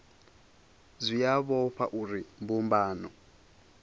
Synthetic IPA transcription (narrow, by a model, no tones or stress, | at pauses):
zʷijaβɔɸaʔuɾimbumbaːnɔ